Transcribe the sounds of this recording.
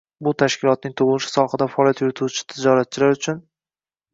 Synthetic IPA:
bʊt̪ʰaʃkʲɪlˠɒt̪̚nɪŋt̪ʰʊʁlˠɪʃɪ̥sɒχɨd̪afaɒːlijat̪jʊɾɪt̪ʰuwt͡ʃʰɪ̥t̪ʰɪd͡ʒɒɾat̪̚t͡ʃʰɪlaɾʊt͡ʃʰʊn

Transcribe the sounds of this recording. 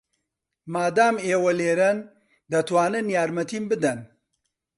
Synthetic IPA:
maːd̪aːmeːwɐleːɾɐn | d̪ɐt̪waːnɨnjaːɾmɐt̪iːmbɨd̪ɐn

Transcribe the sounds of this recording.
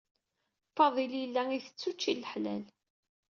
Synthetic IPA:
fɑðˤiljəlːæiθə̥t͡sːut͡ʃːiləħlæ̰l

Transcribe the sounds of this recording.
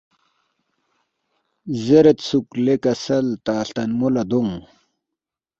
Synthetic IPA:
zeɾet̪suklekɐsɐlt̪aːɬt̪ɐnmulɐd̪uŋ

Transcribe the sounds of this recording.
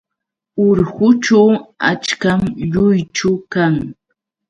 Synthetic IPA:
ʊɾhʊt͡ʃawat͡ʃkamʎʊjt͡ʃʊkaŋ

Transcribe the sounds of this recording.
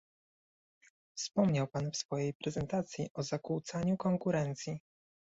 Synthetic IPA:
fspɔmɲawpanfsfɔjejpɾɛzɛnt̪at̪sʲjiʔɔzakuwt̪saɲukɔŋkuɾɛnt̪sʲji

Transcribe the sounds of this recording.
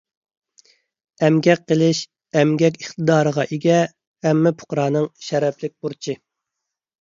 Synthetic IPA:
ɛmɡʲɛk̚qːəlˠɪʃ | ɛmɡʲɛk̬ʲəχt̪ɨd̪ɑːɾəʁɑʔiɡʲɛ | hɛmːɪpʰʊ̥qɾɑːnɨŋʃɛɾɛpʰlɪk̚ʲbuɾt͡ʃʰi

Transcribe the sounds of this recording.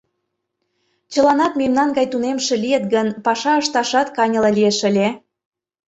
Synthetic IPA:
t͡ɕəlɑnɑt̪memnɑnɡɑjt̪unemʃĕlijet̪ɡənpɑʃɑəʃt̪ɑʃɑt̪kɑnʲɤ̆lɤlʲieʃə̆lʲe

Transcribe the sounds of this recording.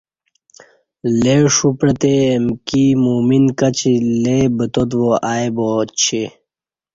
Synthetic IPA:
leʂupɾɐt̪eːmkimuːminkɐt͡ɕilebət̪ot̪ʋoʔaːjbot͡ɕʰe

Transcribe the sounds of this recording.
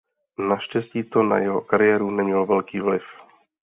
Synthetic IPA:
naʃcɛsciːt̪ona̰jɛɦo̰kaɾɪjɛːɾunɛmɲɛlvɛlkiːvlɪf

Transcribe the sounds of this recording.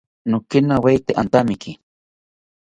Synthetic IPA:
nʊkinawejt̪eʔant̪amiki

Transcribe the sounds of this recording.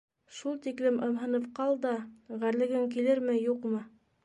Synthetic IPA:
ʃulˠt̪iklɘmʔɤ̆mɦɤ̆nɤp̚qɑlˠd̪ɑʁæɾlɘ̆ɡɘŋkilɘɾmɘjuqmɤ

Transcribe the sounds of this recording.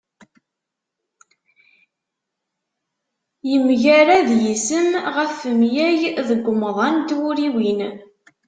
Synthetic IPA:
jəmʝæɾæðjisəmʁəfəmjæjðəɡʷːəmðˤɑnd̪wʊɾiwin

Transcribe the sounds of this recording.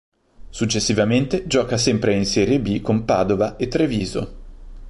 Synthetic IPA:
sut͡ʃːesːivament̪ed͡ʒɔːkasɛmpɾeinsɛːɾjebikompa̰ːd̪ovaʔet̪ːɾeviːzo̰

